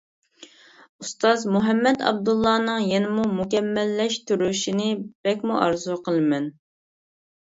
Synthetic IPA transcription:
ust̪ɑzmuɦɛmːɛd̪ɑ̰b̚d̪ulˠːɑːnɨŋjenɪmumukʲɛmːɛlːɛʃt̪yɾyʃinɪb̥ɛkʲmuʔɑɾzuqʰəlˠɨmɛn

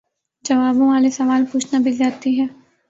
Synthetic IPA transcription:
d͡ʒɐʋaːbõʋaːlesɐʋaːlpuːt͡ʃʰnabɪld͡ʒaːt̪iɦɛː

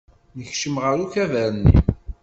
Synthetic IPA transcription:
nəçʃəmʁəɾuçævəɾənːḭ

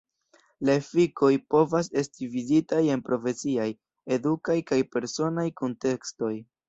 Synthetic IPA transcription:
laefiko̞jpo̞vas̬e̞stivizitaje̞npɾo̞fe̞siaj | e̞dukajkajpe̞ɾso̞najko̞nte̞ksto̞j

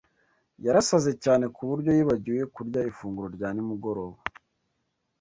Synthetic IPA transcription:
jaɾasaze̞caːne̞kʰuβuɾɟo̞jiːβaɟiwe̞kuɾɟaifuːŋɡuɾo̞ɾɟaːnimuɡo̞ɾo̞ːβa

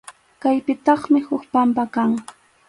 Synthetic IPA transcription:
kajpɪt̪ɑχmɪhʊkpampakaŋ

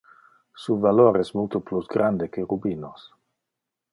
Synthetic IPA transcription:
suvaloːɾɛsmult̪oplusɡɾand̪ekeɾubiːnos

